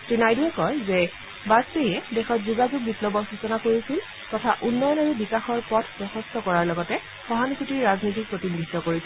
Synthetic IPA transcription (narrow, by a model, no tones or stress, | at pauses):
tɹinajduɛkɔɹzɛ | basejɛdɛxɔtzuɡazuɡ̚biplɔbɔsusɔnakoɹisil | tɔtʰaʔunːɔjɔnaɹubikaxɔɹpɔtʰpɹɔxɔstʰɔkɔɹaɹlɔɡɔtɛ | xɔɦankʰutiɹɹaznotik̚pɹotinɡidɔkoɹisɛ